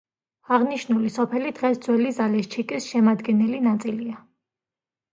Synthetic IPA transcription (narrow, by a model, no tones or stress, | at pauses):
aʁniʃnulisɔpʰɛlid̪̥ʁɛsd̪zwɛlizalɛst͡ʃʰikʼisʃɛmad̪ɡɛnɛlinat̪sʼilia